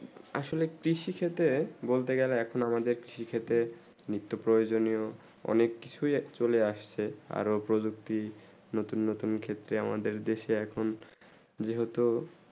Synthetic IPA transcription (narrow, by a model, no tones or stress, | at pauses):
a̰ʃolekɾiʃikʰet̪ebolt̪eɡɛleɛkʰonamad̪eɾkɾiʃikʰet̪e | nɾit̪ːopɾojod͡ʑonijo | ɔ̰nekːi̥t͡ɕʰujt͡ɕoleaʃt͡ɕʰea̰ɾopɾod͡ʑuk̚t̪i | not̪unːot̪unkʰet̪ːɾeama̰d̪eɾd̪eʃeɛkʰon | d͡ʑeɦot̪o